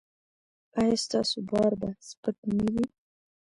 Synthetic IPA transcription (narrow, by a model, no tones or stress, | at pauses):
ajɑst̪ɑsobɑɾbaspək̚nəwi